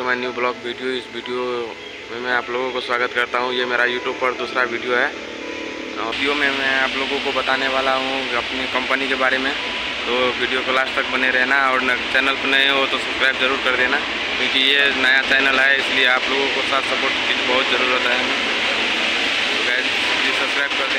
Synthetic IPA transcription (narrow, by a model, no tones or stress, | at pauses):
omɛ̃njuːblɔːkʋiːɖijoɪsʋiːɖijo | mẽmɛ̃aːploːɡõkoswaːɡət̪kɐɾt̪aɦũjemeːɾajuːʈjuːb̚pɐɾd̪uːsɾaʋiːɖijoɦɛː | ɔijomẽmɛ̃aːploːɡõkobɐt̪aːneʋaːlaɦũɐpnikɐ̃mpənikebaːɾemẽ | t̪oʋiɖijokolaːʃt̪ɐk̚bɐneɾɛɦnaɔːɾt͡ʃɛːnəlpənaeʋoːt̪osɐbskɾaːɪbzɐɾuːɾkɐɾd̪ena | kjõːkijenɐjat͡ʃɛːnəlɦɛɪslieaːploːɡõkosaːt̪sɐpoːɾʈt͡ʃiːd͡ʒbɐɦʊt̪zɐɾuːɾot̪ɦɦɛm̃ː | oka | isɐbskɾaːɪb̚kɐɾt̪e